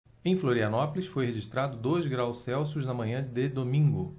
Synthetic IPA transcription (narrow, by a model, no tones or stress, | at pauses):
ẽj̃floɾiɐnɔpʊlisfojheʒiʃt̪ɾad̪ʊd̪ojzɡɾawssɛwsʊznɐmɐ̃ɲɐ̃d̪ɪd̪omĩŋɡʊ